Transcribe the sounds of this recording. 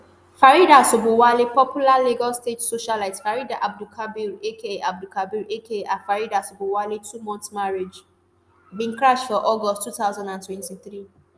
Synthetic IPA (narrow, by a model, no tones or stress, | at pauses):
faɾidasobowalipɔpjulaliɡɔstetsoʃalatfaɹidaʔab̚dukʰabiɾʔekeab̚dukʰabiɾʔekeãfaɹidasobowalitumɔ̃ntmaɹed͡ʒ | bĩnkɹaʃfɔʔɔɡɔsttʰːutaʊzãndãntwɛ̃ntiθɹi